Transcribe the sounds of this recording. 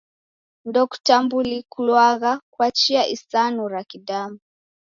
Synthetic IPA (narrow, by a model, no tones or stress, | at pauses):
ndɔku̥tambulikulwaɣakwat͡ʃiaʔisanuɾakidamu